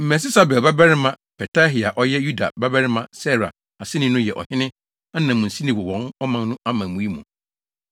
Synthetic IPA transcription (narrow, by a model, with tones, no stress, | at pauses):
m̩˨mɛ̃˨s̬ɪ˦sa˨bɛ˨lba˦bɛ˦ɾɪ˦mã˨ | pʰɛ˨tʰa˦ɦi˨a˨ʔɔ˦jɛ˦ju˦da̰˨ba˦bɛ˦ɾɪ˦mã˨sɛ˦˨ɾa̰˨ | a˨sɪ˦nɪ̃˦nʊ̃˦jɛ˨ʔɔ̰˨hɪ˦nɪ̃˦ | a˦nã˨mũ˨n̩˨si˦nĩ˨wɔ˨wɔ̃˨nɔ˦mã˨n˦nʊ̃˦a˦mã˨mũ˨˦i˦mṵ̃˨